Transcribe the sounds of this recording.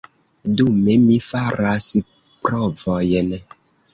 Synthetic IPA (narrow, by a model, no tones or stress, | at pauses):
dumemifaɾasi | pɾɔvɔjenɛ